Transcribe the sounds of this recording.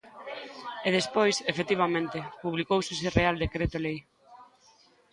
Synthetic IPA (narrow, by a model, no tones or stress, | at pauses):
eðespojsefet̪iβamẽnt̪ɪpuβlikowsɪsɪreald̪ekɾet̪olej